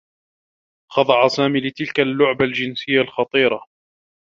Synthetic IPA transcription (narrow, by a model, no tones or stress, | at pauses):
xɑd̪ˤɑʕasaːmiːlɪt̪ɪlkalːʊʕbald͡ʒɪnsɪjːalxɑt̪ˤiːɾˤɑ